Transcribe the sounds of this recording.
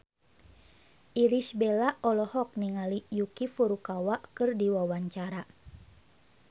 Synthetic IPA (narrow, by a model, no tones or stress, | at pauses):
ʔilisbelaɔlɔhɔk̚niŋalijukifuɾukawaʔkɨrdiwawaɲt͡ʃaɾa